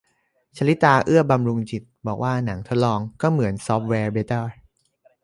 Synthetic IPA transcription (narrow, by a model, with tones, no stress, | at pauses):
t͡ɕʰa˧˥li˦˥t̪aː˧ʔɯ˥˩əba˧mɾu˧ŋt͡ɕi˨˩t̪̚bɔː˨˩k̚waː˥˩na˩˦ŋt̪ʰo˦˥t̪̚lɔː˧ŋkɔː˥˩mɯ˩˦ənsɔː˦˥p̚wɛː˧be˧˦t̪a˥˩